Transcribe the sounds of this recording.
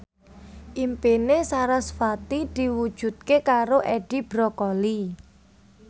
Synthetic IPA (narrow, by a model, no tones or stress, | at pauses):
ʔimpinesaɾasfat̪id̪̥i̤wud̥ʒ̥ṳt̪̚kekaɾoʔɛɖ̥i̤b̥ɾɔkɔli